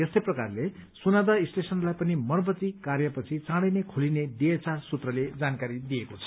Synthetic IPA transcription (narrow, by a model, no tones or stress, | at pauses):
jest̪ʌjprʌkarlesunad̪ʌisʈesʌnlajpʌnimʌrbʱʌt͡sikarjʌpʌt͡sʰit͡sãɽʌjnekʰulineɖiet͡sarsut̪rʌled͡zankaɾid̪ijekot͡sʰʌ